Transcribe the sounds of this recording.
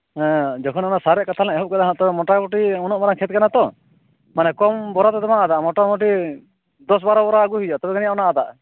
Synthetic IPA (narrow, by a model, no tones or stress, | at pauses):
ɦɛ̃d͡ʒɔkʰɔnɔnasaɾɛʔkat̪ʰalɛ̃ɛɦɔʔ̚kad̪aɦãt̪ɔbɛmɔʈakɔʈiɔnɔʔmaɾaŋkʰɛt̪̚kanat̪ɔ | manɛkɔmbɔɾat̪ɛt̪ɔmaad̪aʔmɔʈamɔʈ̬i | d̪ɔs̬baɾɔbɔɾaəɡuɦijɔʔt̪ɔbɛkanijaɔnaːd̪a̰ʔ